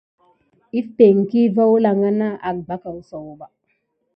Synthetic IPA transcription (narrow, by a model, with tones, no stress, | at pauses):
i˦pe˨ŋ˨ki˦va˦wla˨ŋɡa˦na˦ʔa˨k̚ba˦ka˨wso˨wba˨